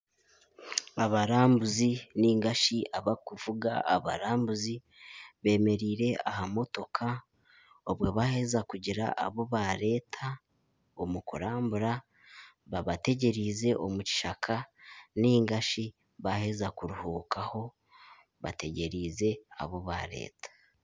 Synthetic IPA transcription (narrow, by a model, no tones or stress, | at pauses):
aβaɾaːmbuziniːŋɡaʃiʔaβakuvuɡa̰a̰βa̰ɾaːmbuzi | βe̞ːme̞ɾiːɾe̞ahamo̞to̞kʰa | oβwo̞βahe̞zakuɟiɾa̰ʔaβo̞βaɾe̞ːtʰa | omukuɾaːmbuɾa | βaβate̞ɟe̞ɾize̞ʔomuci̥ʃakʰaniːŋɡaʃi | βahe̞zakuɾuhuːkaho̞ | βa̰te̞ɟe̞ɾize̞a̰βoβa̰ɾe̞̰ːtʰḁ